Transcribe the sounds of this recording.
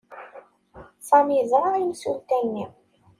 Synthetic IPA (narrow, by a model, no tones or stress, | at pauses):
sæmiəðɾˤɑimsult̪ænːi